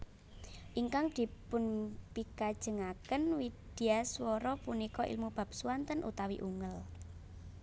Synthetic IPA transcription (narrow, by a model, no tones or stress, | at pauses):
ʔiŋkaŋd̪̥i̤pʊnpikad̥ʒ̥ə̤ŋakənwid̪̥i̤aswɔɾɔpunikɔʔḭlmub̥a̤p̚suant̪ənʔṵt̪awḭʔuŋəl